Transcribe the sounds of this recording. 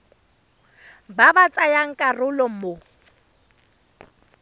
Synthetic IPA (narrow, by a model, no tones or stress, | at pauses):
babat͡sʼajaŋ̩kʼarʊlɔmo